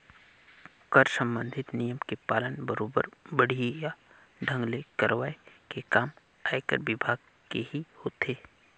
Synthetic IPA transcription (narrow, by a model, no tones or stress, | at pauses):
kəɾsə̃mbə̃nd̪ʱɪt̪nijəmkepaːlənbəɾoːbə̰ɾbəɽ̤ija | ɖʱə̃ŋɡlekəɾʋaːekekaːm | aːekə̰ɾʋɪbʱaːɡ | keɦihoːt̪ʰeː